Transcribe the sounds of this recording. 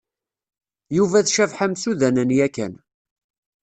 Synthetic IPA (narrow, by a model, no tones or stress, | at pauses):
juvæθʃævħamsuðænənjækːæ̰n